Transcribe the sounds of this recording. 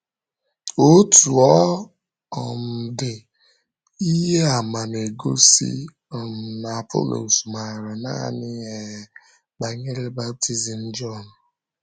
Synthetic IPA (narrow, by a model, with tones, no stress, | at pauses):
o˦tu˨ɔ˦ | ɔ˨m̩˨dɪ˨ | i˦ɦe˦a˨ma˨n˨e˨ɡo˦sḭ˦ | ɔ˨m̩˨na˨po̰˦lo̰˨sma˨ɾa˨na̰˦˨nɪ˦e˨ | ɡ͡ba˨ɲe˦le˦ba˦p̚ti˦zi˨n̩˦d͡ʒɔ˦˨n˨